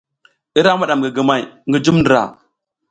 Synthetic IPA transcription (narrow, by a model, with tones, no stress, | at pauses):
i˦ɾa˦ma˦ɗa˨mɡi˨ɡi˨ma˨jŋɡi˦d͡ʒu˦mndɾa̰˨